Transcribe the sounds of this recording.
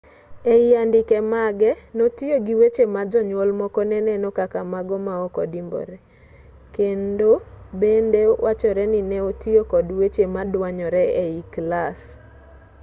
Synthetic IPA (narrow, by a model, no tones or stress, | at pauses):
eiandɪkɛmaɡɛnotijoɡiwet͡ʃemad͡ʒɔɲwɔlmɔkɔnɛnɛnɔkakamaɡɔmaɔkɔdimbɔ̰ɾɛ | kendobendewat͡ʃɔɾɛnɪnɛotiokɔdwet͡ʃemadwaɲɔɾɛeiklas